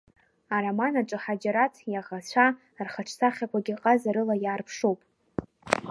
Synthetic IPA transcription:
aɾamanaʈ͡ʂʼɨħad͡ʒaɾatʰjaʁat͡ɕʷʰa | rχaʈ͡ʂʰtʰaχʲakʷʰaɡʲiqʼazaɾɨlajaːrpʰʂowpʼ

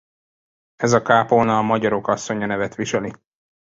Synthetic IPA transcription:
ɛzɒkaːponɒmɒɟɒɾo̞kɒsːo̞ɲɒnɛvɛt̪ʋiʃɛli

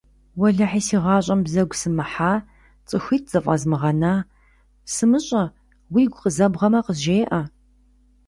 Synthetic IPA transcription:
wɐɮɐħiːsiːʁɑːɕʼɐmbzɐɡʷsɨmɨħaː | t͡sʼɨxiːt̚ʰz̥ɐfʼɐzmɨʁɐnaː | sɨmɨɕʼɐ | wiːɡʷqəzɐbʁɐmɐqəʑeːʔɐ

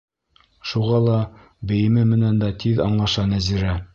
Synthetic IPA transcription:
ʃuʁɑlˠɑ | bɘ̆jɘ̆mɘmɘ̆nænd̪æt̪ʰiðɑ̰ɴlˠɑʃɑnæziɾæ

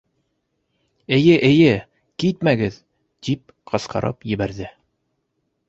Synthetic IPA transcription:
ɘ̆jɘʔɘ̆jɘ | kit̪̚mæɡɘð | t̪ip̚ | qʰɤ̆sqɑ̰ɾʔɤ̰pjɘ̆βæɾðɘ

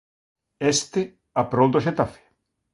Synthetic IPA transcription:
est̪ɪ | apɾowd̪oʃet̪afe̥

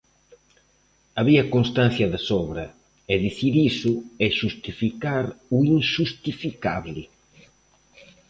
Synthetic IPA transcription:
aβiɐkonst̪an̟θjɐðɪsɔβɾɐ | ɛðiθiɾisʊɛʃust̪ifikaɾuiŋʃust̪ifikaβlɪ

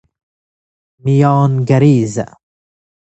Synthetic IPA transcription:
mijɑːnɡɐɾiːz

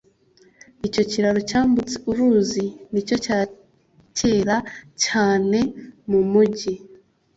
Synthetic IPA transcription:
ico̞ciɾaɾocaːmbut͡si̥uɾuːzinico̞caː | ce̞ːɾacaːne̞mumuɟi

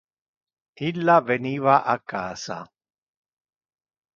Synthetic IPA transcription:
ilːavenivaʔakaːsa̰

